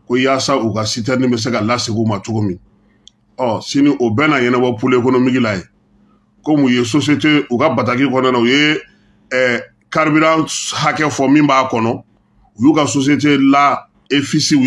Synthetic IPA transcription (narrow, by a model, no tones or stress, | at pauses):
kojaːsaukasit̬ɛɾnĩbɛs̬ekalasekumat͡ʃoɡomĩ | ɔsinĩʔobɛnaɲɛnɛbɔpolekonomikilaje | komũjes̬oseteukabatak̬ikɔnanauje | kaɾbiɾãhakɛfɔmĩmbaːkɔnɔ | ujukasos̬iet̬ela | efisi